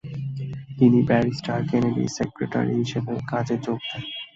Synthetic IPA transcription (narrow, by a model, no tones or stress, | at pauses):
t̪inibɛɾisʈaɾkɛneɖḭsekɾeʈa̰ɾḭɦiʃebekad͡ʑed͡ʑoɡ̚d̪e